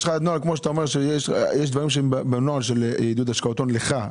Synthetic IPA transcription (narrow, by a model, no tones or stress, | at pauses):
ʃχaad̪nualkmoʃet̪aomeʁʃejeʃjeʃ̬d̪vaʁimʃeembbenoalʃelid̪ud̪aʃkaot̪onleχa